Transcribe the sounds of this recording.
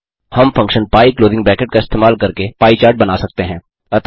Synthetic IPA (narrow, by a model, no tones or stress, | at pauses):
hɐmfɐ̃ŋkʃənpaːikloːzɪ̃ŋɡbɾɛ̃ːkəʈ̚kaɪst̪eːmaːlkɐɾkepaːit͡ʃaːɾʈ̚bɐnaːsɐk̚t̪eɦɛ̃ː | ɐt̪